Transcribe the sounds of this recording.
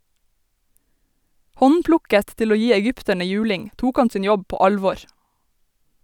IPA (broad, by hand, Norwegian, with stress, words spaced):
ˈhɔnˌplʊkət ˈtɪl ˈoː ˈjiː ɛˈɡʏptəɳə ˈjʉːlɪŋ ˈtuːk ˈɑn ˈsiːn ˈjɔb ˈpoː ˈɑlʋɔɹ